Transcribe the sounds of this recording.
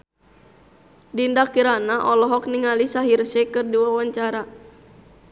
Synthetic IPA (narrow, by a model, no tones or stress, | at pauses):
dindakiɾanaʔɔlɔɦɔkniŋalisaɦirʃɛkɨrdiwawaɲt͡ʃaɾa